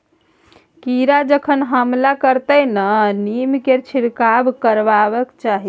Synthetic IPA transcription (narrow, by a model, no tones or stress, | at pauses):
kiɾad͡ʒəkʰənɦəmlakəɾt̪əjnənimkeɾt͡ʃʰiɾkabkəɾʋabəkt͡ʃaɦi